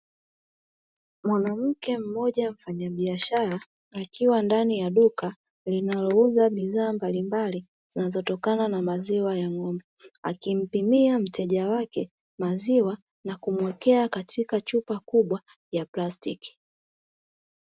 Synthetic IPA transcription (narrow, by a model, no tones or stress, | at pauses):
mwanam̩kɛm̩mɔʄam̩faɲaɓiaʃaɾaː | kiwandanijaɗuka | linalɔuzaɓiðaːmbalimbali | z̥inazɔtɔkananamaziwajaŋɔmbɛa̰kim̩pimiam̩tɛʄawakɛ | maziwa | nakumwɛkɛakatʰikat͡ʃupakuɓwa | japlastiki̥